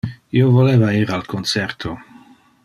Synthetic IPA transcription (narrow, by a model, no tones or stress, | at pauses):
iovoleːvaiːɾalkʰonsɛrt̪ʰo